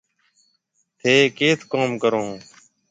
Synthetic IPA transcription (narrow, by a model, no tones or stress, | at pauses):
t̪ʰeːkeːt̪ʰkoːmkəɾõː